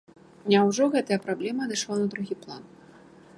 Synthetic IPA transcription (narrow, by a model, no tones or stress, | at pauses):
nʲɛawʐɔɣɛt̪ɐjɐpɾablʲɛmɐd̪ɨʂlˠanɐd̪ɾuɣʲiplˠa̰n